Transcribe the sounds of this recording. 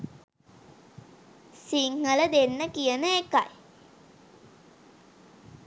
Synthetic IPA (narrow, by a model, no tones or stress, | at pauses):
siŋːələd̪enːəkijənəeka̰j